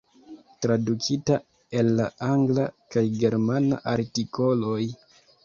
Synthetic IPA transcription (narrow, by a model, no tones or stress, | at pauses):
tɾadukʰita | elːaaŋɡlakajɡe̞ɾmana̰ʔaɾtikʰo̞lo̞j